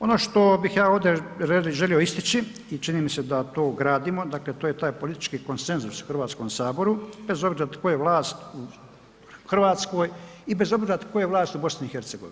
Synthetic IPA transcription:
o̞noːʃt̪o̞bixjaːo̞ːd̪eeʒelio̞ist̪it͡ʃi | it͡ʃiniːmise̞d̪at̪oːɡɾaːd̪iːmo̞d̪akle̞t̪oːjet̪aːjpolit̪i̥t͡ʃkiːko̞nse̞nzusu̥xr̩ʋaːt̪sko̞ːmsaːbo̞ɾube̞zo̞bɾiɾat̪kojeʋlˠaːst̪u | xr̩ʋaːt̪sko̞ːjibe̞zo̞bziɾat̪kojeʋlaːst̪ubo̞sniixe̞ɾt̪se̞ɡoʋin

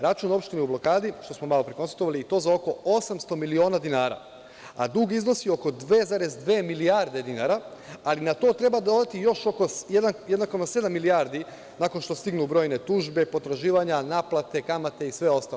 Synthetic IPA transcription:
ɾat͡ʃuːno̞pʃt̪iniublˠo̞kaːd̪iʃt̪o̞smomalo̞pɾekonst̪at̪o̞ʋaliːt̪o̞ːzao̞ko̞osamst̪o̞milio̞ːnad̪inaːɾa̰ | a̰d̪uːɡizno̞sio̞ko̞d̪ʋe̞zaɾe̞zd̪ʋe̞ːmilijaɾd̪e̞d̪inaːɾaalinat̪o̞ːt̪ɾe̞bad̪od̪at̪ijo̞ʃo̞kojed̪anjed̪nakomase̞d̪amːilijaːɾd̪i | nako̞nʃt̪o̞st̪iɡnubɾo̞ːjne̞t̪uːʒbe̞po̞t̪ɾaʒiːʋaɲanaːplˠat̪e̞kamat̪e̞isʋe̞o̞st̪al

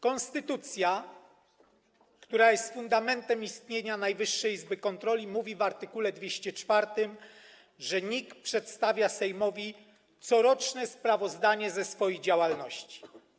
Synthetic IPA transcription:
kɔnst̪ɘt̪ut̪sʲja | kt̪uɾajɛst̪fund̪amɛnt̪ɛmist̪ɲeɲanajvɘʂːɛjizbɘkɔnt̪ɾɔlʲimuvʲivaɾt̪ɘkulɛd̪vʲeɕt͡ɕɛt͡ʂfaɾt̪ɘm | ʐɛɲikpʂɛt̪st̪avʲjasɛjmɔvʲi | t̪sɔɾɔt͡ʂnɛspɾavɔzd̪aɲɛzɛsfɔjid͡ʑawalnɔɕt͡ɕi̥

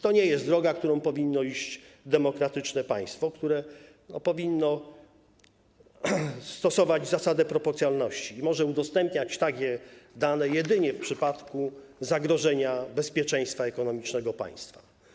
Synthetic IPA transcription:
t̪ɔɲejɛst̪d̪ɾɔɡakt̪uɾɔ̃w̃pɔvʲinːɔiɕt͡ɕd̪ɛmɔkɾat̪ɘt͡ʂnɛpa̰j̃st̪fɔkt̪uɾɛ | nɔ̰pɔvʲinːɔ | st̪ɔsɔvad͡ʑzasad̪ɛpɾɔpɔɾt̪sjalnɔɕt͡ɕiːmɔʐɛud̪ɔst̪ɛmpɲat͡ɕt̪akʲɛd̪anɛjɛd̪ɘɲɛfpʂɘpat̪kuzaɡɾɔʐɛɲabɛspʲjɛt͡ʂɛ̃j̃st̪faɛkɔnɔmʲit͡ʂnɛɡɔpa̰j̃st̪fa

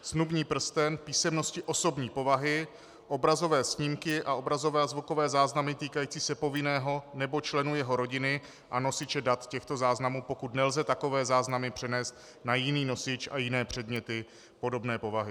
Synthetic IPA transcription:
snubɲiːpr̩st̪ɛnpiːsɛmno̞scɪʔo̞so̞bɲiːpo̞vaɦɪ | ʔo̞bɾazo̞vɛːsɲimkɪʔaʔo̞bɾazo̞vɛːazvuko̞vɛːzaːznamɪt̪iːkajiːt͡siːsɛpo̞vɪnɛːɦo̞nɛbo̞t͡ʃlɛnujɛɦo̞ɾo̞ɟɪnɪ | ʔano̞sɪt͡ʃɛdat̪cɛxt̪o̞zaːznamuːpo̞kut̪nɛlzɛt̪ako̞vɛːzaːznamɪpr̝̥ɛnɛːst̪̚ | najɪniːno̞sɪt͡ʃʔa̰jɪnɛːpr̝̥ɛdmɲɛt̪ɪ | po̞do̞bnɛːpo̞vaɦɪ

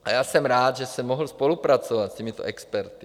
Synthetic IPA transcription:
ʔa̰jaːsɛmɾaːd̪ʒɛsɛmːoɦl̩spolupɾat͡sovat̪scɛmit̪o̰ʔɛkspɛɾt̪i̥

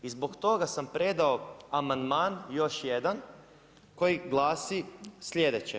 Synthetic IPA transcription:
izbo̞kt̪o̞ɡasampɾed̪aoamand̪maːnjo̞ʃjed̪an | ko̞jiɡlˠaːsislʲʎʲjed̪et͡ɕe

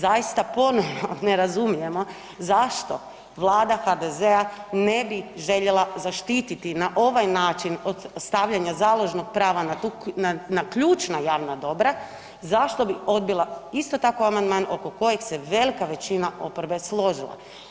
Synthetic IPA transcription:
zajist̪apo̞no̞ʋno̞ne̞ɾazumije̞mo̞ | zaʃt̪o̞̰ | ʋlˠaːd̪axad̪ezeane̞biʒe̞ʎe̞lˠazaʃt̪iːt̪it̪inaʔo̞ʋajnaːt͡ʃinod̪st̪aʋʎaɲazaːlˠo̞ʒno̞ɡ̚pɾaːʋanat̪unanakʎuːt͡ʃnajaːʋnad̪o̞bɾa | zaʃt̪o̞bio̞d̪̚bilˠaist̪o̞t̪akoamand̪maːno̞ko̞ko̞jekse̞ʋe̞likaʋe̞t͡ɕinaʔopoɾbe̞slˠo̞ʒilˠa̰

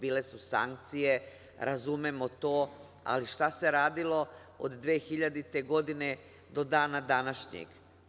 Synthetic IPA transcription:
biːle̞susa̰ŋk̚t̪sije | ɾazumemo̞t̪oː | a̰liʃt̪ase̞ɾaːd̪ilˠo̞ | o̰d̪d̪ʋeːxiʎad̪it̪e̞ɡo̞d̪ine̞ | d̪o̞d̪aːnad̪anaʃɲḛɡ̥

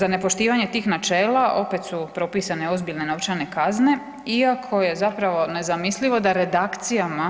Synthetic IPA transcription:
zane̞po̞ʃt̪iːʋaɲe̞t̪iːxnat͡ʃe̞ːlaʔo̞pe̞t̪supɾo̞piːsane̞o̞zbiʎne̞no̞ʋt͡ʃane̞kazne̞ | iakʰo̞je̞zapɾaʋo̞ne̞zamislʲiʋo̞d̪aɾe̞d̪akt̪sijama

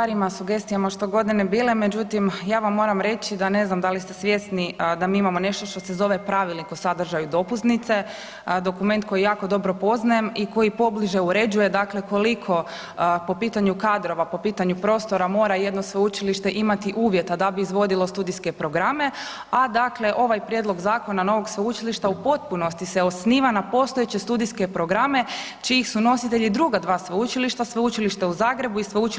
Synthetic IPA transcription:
aɾimasuɡe̞st̪ijamaʃt̪o̞ɡo̞d̪inebiːleme̞d͡ʑut̪imjaːʋamːo̞ːɾamɾe̞t͡ʃid̪ane̞znamd̪alist̪esʋje̞snid̪amiːimamo̞ne̞ʃt̪oʃt̪o̞se̞zo̞ʋe̞pɾaʋilnikosad̪r̩ʒajud̪o̞puznit̪se̞ | d̪o̞kume̞nt̪ko̞jijaːko̞d̪o̞bɾo̞po̞znajemiko̞jipo̞bliʒe̞uɾe̞d͡ʒuje̞d̪akle̞ko̞likʰo̞ | po̞piːt̪aɲukad̪ɾo̞ʋapo̞piːt̪aɲupɾo̞ːst̪o̞ɾamo̞ːɾajed̪nosʋeut͡ʃiliʃt̪e̞ʔimat̪iʔuːʋje̞t̪ad̪abiizʋo̞d̪ilˠo̞st̪uːd̪iske̞pɾo̞ɡɾame̞ | ad̪akle̞ʔo̞ʋajpɾjed̪lˠo̞ɡzaːko̞nano̞ʋo̞ɡsʋeut͡ʃiliʃt̪aupo̞t̪̚puno̞st̪iseo̞sniːʋanapo̞st̪oet͡ɕest̪ud̪iske̞pɾo̞ɡɾame̞ | t͡ʃiixsuno̞sit̪e̞ʎid̪ɾuɡad̪ʋaːsʋeut͡ʃiliʃt̪asʋeut͡ʃiliʃt̪euzaːɡɾe̞buisʋeut͡ʃ

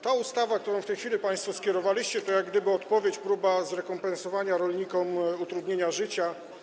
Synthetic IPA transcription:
t̪aust̪avak̚t̪uɾɔ̃w̃ft̪ɛjxfʲilʲipaj̃st̪fɔskʲɛɾɔvalʲiɕt͡ɕɛt̪ɔjaɡd̪ɘbɘɔt̪pɔvʲjet͡ɕpɾubazɾɛkɔmpɛnsɔvaɲaɾɔlʲɲikɔmut̪ɾud̪ɲeɲaʐɘt͡ɕa

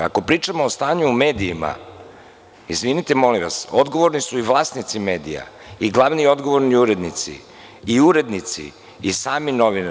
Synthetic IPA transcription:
a̰ko̞pɾiːt͡ʂamoːst̪aːɲuːme̞ːd̪iːma̰ | izʋinit̪emoliʋa̰sod̪ɡo̞ʋo̞ɾnisuiʋlˠaːsnit̪sime̞ːd̪ḭja̰ | iɡlˠaʋnio̞d̪ɡo̞ʋo̞ɾniuɾe̞d̪nit̪sḭ | iuɾe̞d̪nit̪sḭː | saːmino̞ʋin

